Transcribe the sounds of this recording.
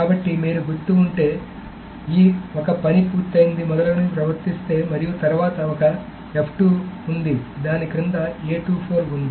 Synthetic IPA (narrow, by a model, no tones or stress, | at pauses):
kaːbɐʈːimiːɾuɡut̪ːuuɳʈe̞ː | iːɔkɐpɐnipuːɾt̪ːɐjind̪imɔd̪ɐlɐnupɾɐʋɐɾt̪ist̪e̞ːmɐɾijut̪ɐɾuʋaːt̪ɐɔkɐ | epʰʈuːund̪id̪aːnikɾind̪ɐeːʈuːpʰoːɾund̪i